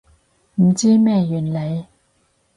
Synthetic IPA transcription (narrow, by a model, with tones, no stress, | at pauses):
m̩˨˩t͡siː˥mɛː˥˧jyː˨˩nle˨˧j